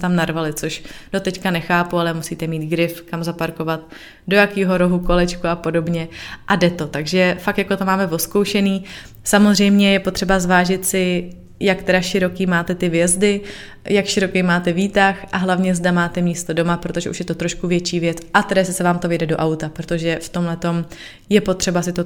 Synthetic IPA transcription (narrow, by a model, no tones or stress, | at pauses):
t̪amnaɾvalɪt͡soʃd̥o̞t̪ɛckanɛxaːpualɛmusiːt̪ɛmiːt̪ɡɾɪfkamzapaɾko̞vat̪̚ | do̞jakiːɦo̞ɾo̞ɦuko̞lɛt͡ʃkuapo̞do̞bɲɛʔadɛt̪o̞t̪aɡʒɛfak̚t̪jako̞t̪omaːmɛvo̞skowʃɛniː | samozrɛjmɲɛjɛpot̪r̥ɛbazvaːʒɪt̪sɪ | jak̚t̪ɛɾaʃɪɾo̞kiːmaːt̪ɛt̪ɪvjɛzdɪ | jakʃɪɾo̞kejmaːt̪ɛviːt̪axʔaɦlavɲɛzdamaːt̪ɛmiːst̪o̞do̞mapɾo̞t̪o̞ʒɛʔuʃjɛt̪ot̪ɾo̞ʃkuvjɛt͡ʃiːvjɛt͡sʔat̪ɛdajɛsɪsɛvaːmt̪o̞vɪɛdɛdoʔawt̪apɾot̪o̞ʒɛft̪o̞mɦlɛt̪o̞m | jɛpo̞t̪r̥ɛbasɪt̪o